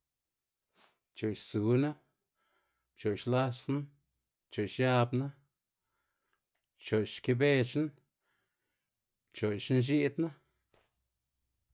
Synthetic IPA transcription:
t͡ʃo˨ʃsu˨˦na˦ | t͡ʃo˨ʃla˦sna˦ | t͡ʃo˨jʃja˧bna˦ | t͡ʃo˨ʃke˧be˦t͡ʃn | t͡ʃo˨jʃnʒ̬i˦d̪na˦

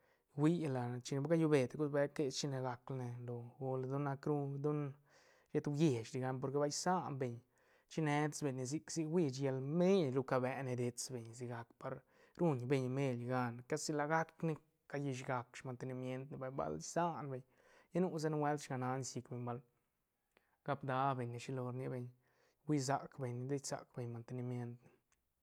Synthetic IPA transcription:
wi˦la˨t͡ʃi˧ne˧bɡa˦ju˧be˨t̪ɡu˦sbe˧˦ke˧t͡ʃi˧ne˧la˨˧klne˨lo˨ɡo˧ld̪u˦nːa˧kɾu˧d̪u˦n | ʃe˧t̪wje˨t͡ʃɾi˧ɡa˧np̬o˧ɾke˧ba˧˦jsa˦ʔnbe˨ɲ | t͡ʃi˦ne˧d̪sbe˨ɲe˧z̬i˧ksi˧wi˦˧t͡ʃje˧lme˦lɾu˧ka˧bɛ˧˦ne˧d̪e˧t͡sbe˨ɲs̬i˧ɡa˧kpa˧ɾ | ɾu˦˧ɲbe˧ɲ˧me˧lɡa˧nka˦si˧la˧ɡa˦kni˧ | ka˧ji˧ʃ̬ɡa˨kʃma˨nt̪e˧˨ni˧mje˦nt̪ni˧ba˧jba̰˧lsa˦nbe˨ɲ | ja˦nu˦z̬a˦n˧we˦ld̪ʃɡa˧na˧˦ni˧si˧kbe˨ɲba˧˨l | ɡ̥a˧pd̪a˧˦be˨ɲi˧ʃi˧lo˧ɾni˧be˧ɲ | wi˦z̬a˨kbe˨ɲi˧d̪e˦jsa̰˨kbe˨ɲma˨nt̪e˧˨ni˧mje˦nt̪ni˨

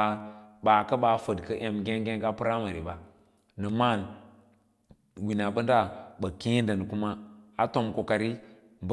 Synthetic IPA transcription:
ɓa˨kɐ˦ɓa˨fə˨dkə˦ʔe˨mɡe˦ŋ˦ɡe˦ŋɡa˦pɨ˦ɾa˦ma˨ɾi˨ba˨ | nə˨ma˦˨n | wi˨na˨ɓə˦nda˦˨ɓə˨ki˦ndə˨n˨ku˦ma˦a˨to˨mko˨ka˨ɾi˦ | b

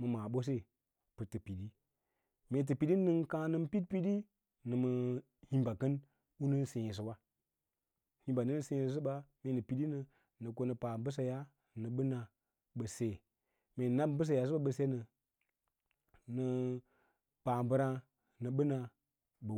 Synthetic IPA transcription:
mə˨ma˨ɓo˦s̬e˦˨ | pɨ˨tːɨ˨pi˨di˦ | me˨t̬ɨ˨pi˨ɗi˦nɨ˦nkã˦nɨ˦mpi˦t̚pi˦di˦ | nɨ˨mə˨ | hĩ˦mba˨kə˦n | u˦nɨ˦n˦se˨ji˨s̬ɨ˨wa˦ | hi˦mba˨nɨ˦n˦se˦ss̬ɨ˦ɓa˦me˨nɨ˨pi˨ɗi˦nə˨ | nɨ˨ko˦nɨ˨pa˨bɨ˦s̬a˨ja˦ | nɨ˨ɓɨ˦na˨ | ɓə˨se˨ | me˨na˦bbɨ˦s̬a˨ja˨s̬ɨ˦ɓa˦ɓə˨se˦nə˨ | nə˨˧ | pa˨mbə˦ɾa˧ | nɨ˨ɓɨ˦na˧ | ɓə˨

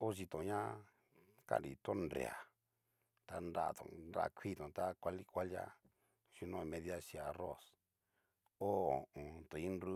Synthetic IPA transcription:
o˦ʒi˧t̪õ˨ɲã˦ | ka̰˦˨nɾḭ˨t̪o˦ndɾḛ˨a˨ | t̪a˧nɾa̰˦˨t̪õ̰˧nɾa̰˧˨kʷʰi˦t̪õ˨t̪a˦kʷa˧li˦kʷa˦lja̰˦ | ʃu˧nõ˦˨˧mẽ˧ða˦ʃi˧a˨ro˦˨s | o˦o˨õ˨t̪o˨ĩ˦nɾu˦

